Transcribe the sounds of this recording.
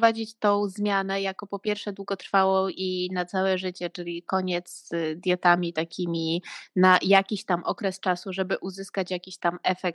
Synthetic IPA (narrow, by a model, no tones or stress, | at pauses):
vad͡ʑit͡ɕt̪ɔ̃w̃zmʲjanɛjakɔpɔpʲjɛɾfʂɛd̪wuɡɔt̪ɾfawɔinat̪sawɛʐɘt͡ɕɛt͡ʂɘlʲikɔɲɛt̪sd̪ʲjɔt̪amʲit̪akʲʰimʲinajakʲiɕt̪amʔɔkɾɛst͡ʂasuʐɛbɘʔuzɘskat͡ɕjakʲiɕt̪amɛfɛk̚t̪